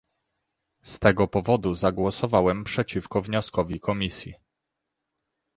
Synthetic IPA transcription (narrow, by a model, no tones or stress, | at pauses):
st̪ɛɡɔpɔvɔd̪uzaɡwɔsɔvawɛmpʂɛt͡ɕifkɔvɲɔskɔvʲikʰɔmʲisʲji